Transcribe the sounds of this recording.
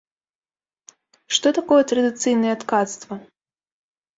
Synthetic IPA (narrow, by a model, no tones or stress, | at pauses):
ʂt̪ɔt̪akɔjɛt̪ɾɐd̪ɨt̪sɨjnɐjɛt̪kat̪st̪vɐ